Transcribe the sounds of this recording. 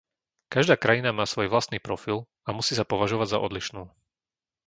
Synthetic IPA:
kaʒd̪aːkɾajinamaːsʋɔjʋlast̪niːpɾɔfil | amusiːsapɔʋaʒɔʋaɟza̰ʔɔd̪liʃnuː

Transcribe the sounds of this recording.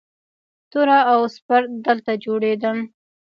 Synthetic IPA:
t̪ʊɾaːwspaɾt̪̚d̪əlt̪ad͡ʒoɽed̪ən

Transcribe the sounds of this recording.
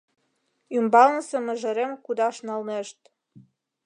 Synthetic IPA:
ymbɑlnə̆semə̆ʒə̆ɾemkud̪ɑʃnɑlneʃt̪̚

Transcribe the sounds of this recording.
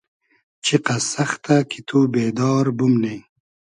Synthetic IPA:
t͡ɕʰiqɐsɐxt̪akʰit̪ʰubeːd̪ɑːɾbumne

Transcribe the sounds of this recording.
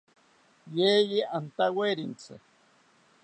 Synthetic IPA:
jejiant̪aweɾint͡sḛ

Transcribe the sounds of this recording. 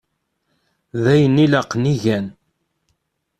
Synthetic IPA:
ðæjənːilaqːniʝæn

